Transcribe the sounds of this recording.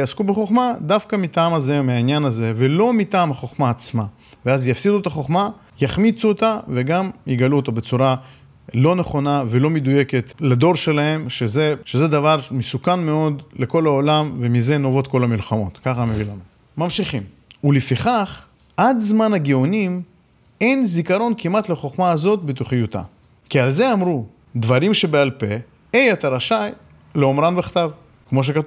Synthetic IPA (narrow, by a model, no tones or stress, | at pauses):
jaskubeχo̞χmad̪afkamit̪aːmazemeainjanaze̞ve̞lo̞mit̪aːmhaχo̞χmaːt͡sma | veazjafsid̪uet̪aχo̞χma | jaχmit͡suot̪ave̞ɡamjiɡaluot̪obe̞t͡suɾa | lo̞neχo̞nave̞lo̞med̪uje̞ke̞t̪lad̪o̞ʁʃe̞lahe̞mʃe̞ze̞ʃe̞ze̞d̪avaʁmesukanmeo̞d̪le̞ko̞laolamve̞mize̞no̞vo̞t̪̚ko̞lamilχamo̞̰t̪kaχamevilanu | mamʃiχim | ulefiχaχ | ʔad̪zmanhaɡeonim | e̞nzikaɾo̞nkimat̪leχo̞χmaːzo̞t̚bet̪uχijut̪a̰ | kialze̞amʁu | d̪vaʁimʃe̞bealpe̞ | ejet̪aɾaʃaj | leomɾanbeχt̪av | kmo̞ʃ̬ekatuv